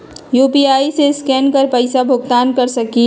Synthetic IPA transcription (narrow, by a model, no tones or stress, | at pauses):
juːpiaːiseskɛːnkɐɾpəɪsabʱʊɡ̚t̪aːnkɐɾsɐki